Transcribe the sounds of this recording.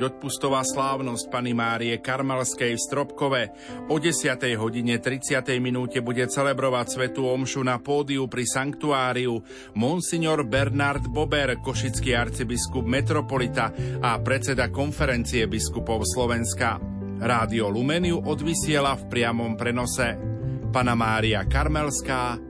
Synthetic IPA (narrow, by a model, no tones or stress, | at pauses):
ɔt̪̚pust̪ɔʋaːslaːʊnɔsc̚panimaːɾiɛkaɾmalskɛjfst̪ɾɔpkɔʋɛ | ɔɟɛsɪat̪ɛjɦɔɟiɲɛt̪ɾit͡sɪat̪ɛjminuːcɛbuɟɛt͡sɛlɛbɾɔʋacsʋɛt̪uːɔmʃunapɔːd̪iupɾisaŋkt̪uaːɾiu | mɔnsiɲɔɾbɛɾnaɾd̪bɔbɛɾkɔʃit͡skiːaɾt͡sibiskubmɛt̪ɾɔpɔlit̪aapɾɛt͡sɛd̪akɔnfɛɾɛnt͡siɛbiskupɔʊslɔʋɛnska | ɾaːd̪iɔlumɛniuʔɔd̪ʋisɪɛlafpɾɪamɔmpɾɛnɔsɛpanamaːɾiakaɾmɛlskaː